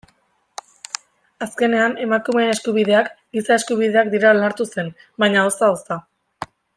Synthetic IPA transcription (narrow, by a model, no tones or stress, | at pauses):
aske̞ne̞ane̞makume̞ːne̞skuβið̞e̞akɡisae̞skuβiðe̞akd̪iɾalaɾt̪use̞n | baɲaosaosa